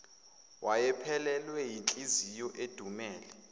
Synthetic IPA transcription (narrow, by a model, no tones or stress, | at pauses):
wʔajɛpʰɛlɛlwɛjit͡ɬʼizijɔʔed̥ʱumɛːlɛ